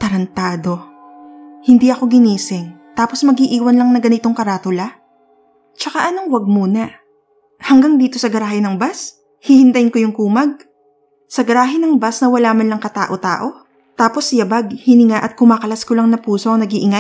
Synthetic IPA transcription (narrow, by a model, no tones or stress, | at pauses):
t̪ɐɾɐnt̪aːd̪o̞ | hɪnd̪iʔɐko̞ɡɪniːsɪŋt̪aːposmɐɡhiʔiːwɐnlɐŋnɐɡɐnɪt̪o̞ŋkɐɾaːt̪ʊla | t͡ʃɐkaʔɐnoŋwɐɡ̚muːnɐ | hɐŋɡaŋd̪iːt̪o̞sɐɡɐɾaːhɪnɐŋbas | hihɪnt̪ɐjɪnkojʊŋkuːmɐɡ̚ | sɐɡɐɾaːɦɪnɐŋbasnɐwɐlaːmɐnlɐŋkɐt̪a̰ːʔo̞t̪a̰ːʔo̞ | t̪aːpo̞sjɐbaɡ̚hɪnɪŋaʔɐt̪̚kʊmaːkɐlɐskolɐŋnɐpuːsoʔɐŋnɐɡiʔɪŋa